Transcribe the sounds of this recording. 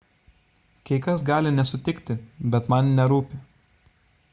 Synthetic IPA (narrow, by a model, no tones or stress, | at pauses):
kʲɛɪkɐsɡɑːlʲɪnʲɛsʊt̪ʲɪkʲt̪ʲɪbʲɛt̪mɐnʲnʲɛɾuːpʲɪ